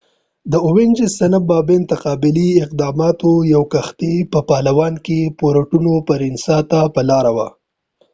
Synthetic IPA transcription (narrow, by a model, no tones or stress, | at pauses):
d̪əʊwɪnd͡ʒɪsɐnabɑbent̪aqɑːbɪliɪq̚d̪ɑmɑt̪ojawkaxt̪epəpɑlawɑnkepoɾaʈunopəɾɪnsɑt̪apəlɑɾawa̰